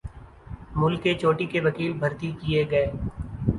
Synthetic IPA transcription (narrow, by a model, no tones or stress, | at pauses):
mʊlkːet͡ʃoːʈikeʋɐkiːlbʱɐɾt̪ikijeɡɐeː